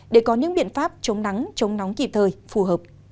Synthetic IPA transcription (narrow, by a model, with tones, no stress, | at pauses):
ɗe˧˩kɔ˨˦ɲɨ̰˧˥ŋɓḭ˧˨ənfaː˦˥p̚t͡ɕə˨˦wŋ͡mna˨˦ŋt͡ɕə˨˦wŋ͡mna˨˦wŋ͡mki˨˩p̚t̪ʰəː˨˩jfu˨˩ɦəː˨˩p̚